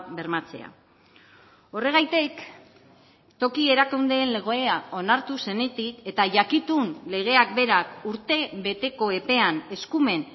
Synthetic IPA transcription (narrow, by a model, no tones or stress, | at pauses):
be̞ɾmat͡se̞̰a̰ | o̞re̞ɣ̞ajt̪ik | t̪o̞kie̞ɾakund̪eːnle̞ɣ̞o̞eao̞naɾt̪use̞ne̞t̪ike̞t̪aʝakit̪unle̞ɣ̞e̞ak̚be̞ɾakuɾt̪e̞βe̞t̪e̞ko̞e̞pe̞ane̞skume̞n